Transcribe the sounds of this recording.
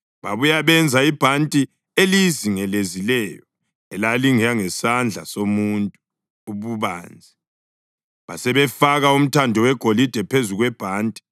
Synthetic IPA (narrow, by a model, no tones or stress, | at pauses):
βaβujaβɛnd͡zʱaib̥ʱantʼi | eliziŋɛlezilɛjɔ | ɛlaliŋiaŋɛsand͡ɮʱa̰somuntʼu | uβuβa̰ːnd͡zʱi | βasɛβɛfaɣaum̩tʰandʱɔwɛɡ̥ʱolid̥ʱɛpʰezuɣwɛb̥ʱaːntʼi̥